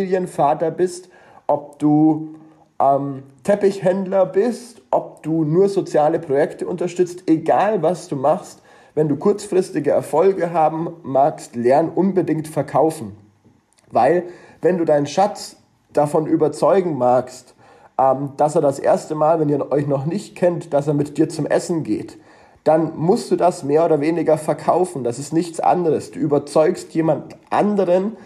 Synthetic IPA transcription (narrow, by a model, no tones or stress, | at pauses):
djənfaːtɐbɪst | ʔɔp̚d̥uː | ʔɛːmtʰɛpɪçhɛndlɐbɪstʔɔp̚d̥uːnuːɐzot͡sjaːləpʁ̥ojɛktəʔʊntɐʃtʏt͡stʔeɡaːlvasd̥uːmaχst | vɛnduːkʰʊɐt͡sfʁ̥ɪstɪɡəɛɐfɔlɡəɦaːbm̩ːaːkstlɛɐnʔʊnbədɪŋktfɛɐkʰaʊfn̩ | vaɪlvɛnduːdaɪnənʃat͡s | d̥afɔnʔyːbɐt͡sɔʏɡŋ̩maːkst | ʔɛmd̥aseːɐdasʔḛːɐstəmaːlvɛniːɐʔɔʏçnɔχnɪçtkʰɛntd̥aseːɐmɪtd̥iːɐt͡sʊmʔɛ̰sn̩ɡḛːt | d̥anmʊstd̥uːdasmeːɐoːdɐveːnɪɡɐfɛɐkʰa̰ʊfn̩d̥asɪstnɪçtt͡sʔa̰ndəʁəsd̥uːʔyːbɐt͡sɔʏkstjeːmantʔa̰ndəʁən